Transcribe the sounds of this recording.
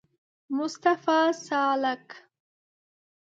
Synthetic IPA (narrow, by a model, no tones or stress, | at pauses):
mʊst̪afɑːsɑːlak